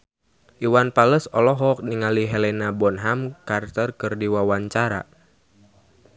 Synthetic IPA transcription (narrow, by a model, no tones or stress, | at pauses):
ʔiwanpaləsɔlɔɦɔk̚niŋaliɦɛlɛnabɔnɦamkart̪ɔrkɨrdiwawaɲt͡ʃaɾa̰